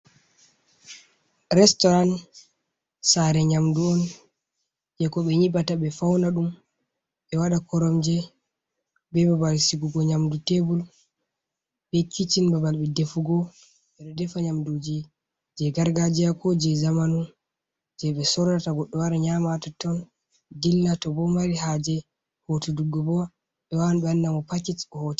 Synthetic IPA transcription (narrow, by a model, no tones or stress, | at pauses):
ɾɛstɔɾan | saɾɛɲamduɔn | d͡ʒɛkɔɓɛɲibataɓɛfawnaɗum | ɓɛwaɗakɔɾɔmd͡ʒɛ | bɛbabalsiɡuɡɔɲamdutebul | ɓekːit͡ʃinbabalɓɛdefuɡɔ | ɓɛɗɛdɛfaɲamdud͡ʒi | d͡ʒɛɡaɾɡad͡ʒijakɔd͡ʒɛzamanu | d͡ʒɛɓɛsɔɾataɡɔɗːɔwaɾaɲamatatɔn | dilːatɔbɔmaɾiɦad͡ʒɛ | hotuduɡːɔbɔ | ɓɛwawnɓɛandamɔpat͡ʃitɔhɔti̥